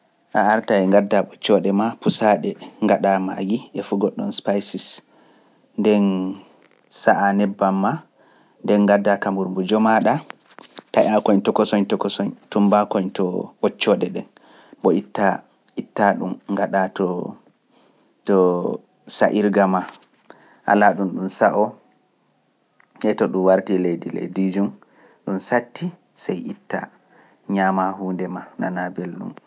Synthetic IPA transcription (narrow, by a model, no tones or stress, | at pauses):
ʔaaɾtaɛŋɡadːaɓɔt͡ʃːɔɗɛmapusaɗɛŋɡaɗama̰ɡiʔɛfuɡɔɗːɔnspajsis | ndɛn | saʔanɛbːamːa | ndɛnɡadːakamuɾmbud͡ʒɔmaɗa | tajakɔɲtɔkɔsɔɲtɔkɔsɔɲtumbakɔɲtɔɓɔt͡ʃːɔɗɛɗɛn | bɔitːa | itːaɗṵmŋɡaɗatɔ | tɔ | sa̰ʔiɾɡama | ʔa̰laɗumɗumsaʔɔ | ɛtɔɗumwaɾtilejdilḛjdid͡ʒum | ɗumsatːi | sɛjitːa̰ | ɲamahuːndɛmana̰nabelɗṵm